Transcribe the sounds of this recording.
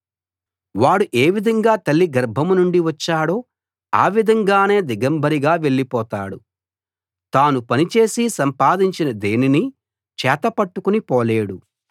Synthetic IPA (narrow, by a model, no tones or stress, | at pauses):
ʋaːɽuʔe̞ːʋid̪ʱɐŋɡaːt̪ɐlːiɡɐɾbʱɐmunuɳɖiʋɐt͡ʃːaːɽo̞ː | a̰ːʋid̪ʱɐŋɡaːne̞ːd̪iɡɐmbʱɐɾiɡaːʋe̞ɭːipɔːt̪a̰ːɽu | t̪aːnupɐnit͡ʃe̞ːsisɐmpaːd̪iɲt͡ʃinɐd̪eːnini | t͡ʃɛːt̪ɐpɐʈːukunipɔːle̞ːɽu